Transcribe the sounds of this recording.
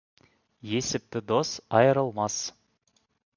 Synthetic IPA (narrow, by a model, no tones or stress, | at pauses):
je̞sɪp̚t̪ɪd̪o̞sɑjəɾəlˠmɑs